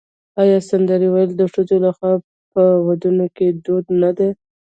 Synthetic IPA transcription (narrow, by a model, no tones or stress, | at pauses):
ɑjɑsand̪aɾiwajəld̪əʂəzolaxwa | pəwad̪unoked̪od̪nad̪e